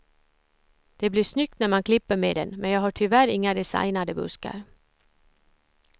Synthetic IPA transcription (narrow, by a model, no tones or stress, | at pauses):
d̪̥ɛblɪʂnʏk̚t̪næɾmankʰlɪpːəɾmḛːd̪ɛ̰nmɛnjɑːɡhaʈʰɪlvæɾɪŋːad̪ɛsa̰jnad̪əbɵ̰ska̰ɾ